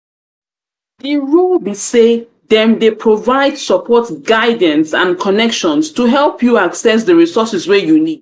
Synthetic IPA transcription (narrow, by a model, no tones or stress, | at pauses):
diɹulbise | ðɛ̃mdepʰɹovaɪdsɔpʰɔtɡaɪd̃n̩sãnkʰɔnɛkʃɔ̃nstuɦɛlˠpʰjuaksɛs̬dəɹisɔsɛswɛjunid̥̚